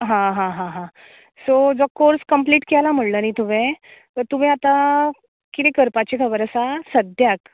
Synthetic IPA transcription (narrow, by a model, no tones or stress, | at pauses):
ɦãɦãɦãɦã | sod͡zɔkːoɾskəmpliːʈkalam̤əɽlənit̪umẽ | ət̪um̤ĩat̪a | kit̪ekəɾpat͡ɕekʰəbəɾəsasəd̪ʱjak